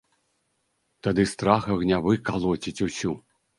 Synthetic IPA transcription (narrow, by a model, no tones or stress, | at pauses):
t̪ad̪ɨst̪ɾaxɐɣnʲavɨkalˠɔt͡sʲit͡sʲusʲu